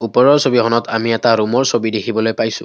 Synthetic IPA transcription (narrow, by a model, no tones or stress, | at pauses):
upɔɹɔɹsobihɔnɔtʰamiɛtaɹumɔɹsobidekʰibɔlojpajsʊ̰̃